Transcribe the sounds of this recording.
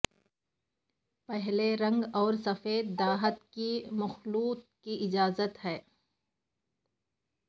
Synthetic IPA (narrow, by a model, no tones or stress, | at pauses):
pɛɦleɾɐ̃ŋɡɔːɾsɐfeːd̪̚d̪aːɦət̪kimɐxluːt̪̚kiʔɪd͡ʒaːzət̪ɦɛː